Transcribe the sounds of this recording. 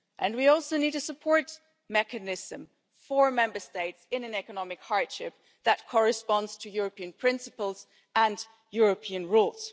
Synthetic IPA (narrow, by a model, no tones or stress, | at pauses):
ʔɨ̃nwiɔlˠsoʊnid̚ɨsəpʰɔɹt̚ | mɛkɨnɪz̥ə̃m | fə˞mɛ̃mbə˞steɪtsɨ̃nɨ̃nɛkənɑmɨkhɑɹd̥ʃɪp̚ | ðɨt̚kʰɔɹɨspɑ̃ndz̥tʰɨjʊɹəpiɨ̃npʰɹ̥ɪ̃nsɨpəl̩ˠz̥ | ə̃n | jʊɹəpʰiɨ̃nɹulˠz̥